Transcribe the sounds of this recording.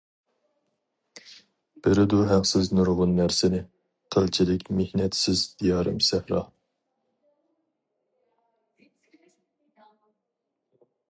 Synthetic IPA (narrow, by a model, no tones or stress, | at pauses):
b̥ɪɾɪd̪uɦæqsɪznuɾʁʊnːæɾsɪnɪ | qʰəlt͡ʃʰilɪkʲmehnɛt̪sɪzd̪ijɑːɾɨ̰msæhɾɑ̰